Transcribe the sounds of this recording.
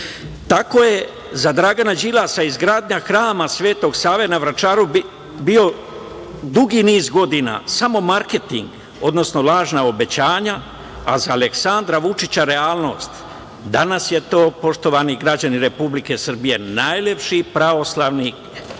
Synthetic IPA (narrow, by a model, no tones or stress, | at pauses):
t̪ako̞je̞ | zad̪ɾaɡanad͡ʑilasaizɡɾaːd̪ɲaxɾaːmasʋe̞ːt̪o̞ɡsaːʋenaʋɾat͡ʃaːɾu | bio̞ | d̪uɡiniːzɡo̞d̪ina̰samo̞maɾke̞t̪ḭŋɡ | o̞d̪no̞sno̞lˠaːʒnao̞be̞t͡ɕaːɲa | azaːleksand̪ɾaʋut͡ʃit͡ɕaɾe̞aːlˠno̞̰st̪ | d̪anasje̞t̪o̞ːpo̞ʃt̪o̞ʋaniɡɾad͡ʑaniɾe̞publike̞sr̩bije̞naːjlʲe̞pʃipɾaʋo̞slaʋnik